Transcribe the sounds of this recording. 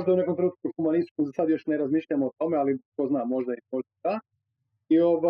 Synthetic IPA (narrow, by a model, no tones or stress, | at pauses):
ʒd̪aune̞ko̞mt̪ɾenuːt̪̚kuxumanisi̥t͡ʃkomzasad̪jo̞ʃneɾazmiːʃʎamoːt̪o̞mealiko̞znamːo̞ʒd̪aimoʒd̪ad̪a | io̞ʋa